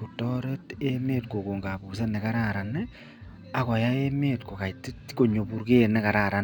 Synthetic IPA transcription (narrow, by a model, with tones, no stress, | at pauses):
ku˨tɔ˦ɾe˦te˦meː˦t̚ko˨ko˨ŋɡa˨bu˨s̬e˦nɛ˨ka˦ɾa˨ɾa˨nɛ˦ | a˨kɔ˨ja˦e˦me˦tko˨ka˨iti˦tko˨ɲo˨bu˦ɾke˦˨nɛ˦ka˨ɾa˨ɾa˨